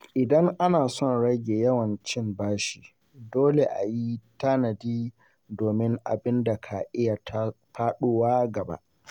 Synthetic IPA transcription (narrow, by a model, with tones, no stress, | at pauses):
ʔɪ˨dɐ˦ŋʔa˦naː˨sɔ˦˨nɽɐ˦ɡʲeː˨jɐ˦wɐ˨nt͡ʃɪ˦mbaː˦ʃiː˨ | doː˦le˨ʔa̰˨ji˦ta˦nɐ˨diː˦ | doː˨mɪ˦ŋʔa̰˨bɪ˦nda˨kʰa˨ʔɪ˦ja˨tʰpaː˦ɗoː˦waː˦ɡɐ˨ba̰˦ʔ